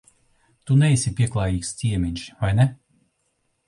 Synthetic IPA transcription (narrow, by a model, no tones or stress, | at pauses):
t̪unɛisʲipʲiɛklˠɑːjiːkst̪ʲiɛmʲiɲʲʃvajnɛ